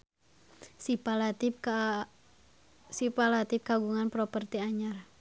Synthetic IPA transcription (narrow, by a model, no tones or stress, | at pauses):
sipalat̪i | sipalat̪ip̚kaɡuŋanpɾɔpərt̪iaɲar